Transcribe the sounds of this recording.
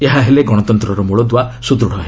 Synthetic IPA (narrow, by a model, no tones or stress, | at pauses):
eɦaɦeleɡɔɽ̃ɔt̪ɔnt̪ɾɔɾɔmuɭɔd̪wasud̪ɾuɽ̤ʱɔɦe